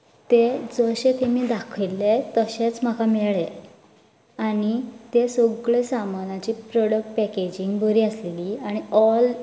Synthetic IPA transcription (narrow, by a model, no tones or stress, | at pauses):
t̪ed͡zəɕet̪emiːd̪akʰilːet̪əɕet͡sm̤akʰamɛɭe | aɽ̃it̪esoɡɭesamanat͡ɕiːpɾɔɽək̚ʈ̚pɛked͡ʑiŋɡbʱəɾiːəsleliːaɽ̃iɔl